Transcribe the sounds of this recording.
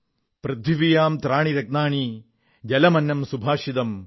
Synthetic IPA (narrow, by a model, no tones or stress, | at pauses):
pɾɐd̪ʱʋiʋijaːmt̪ɾaːɳiɾɐɡ̚naːɳi | d͡ʒɐlɐmɐnːɐmsubʱaːʂid̪ɐm